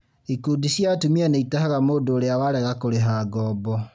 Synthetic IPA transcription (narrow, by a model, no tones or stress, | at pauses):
ikudisjatumianeitahaɣamoːdoːɾeawaɾɛɣakoɾeɦaːɡɔːbɔ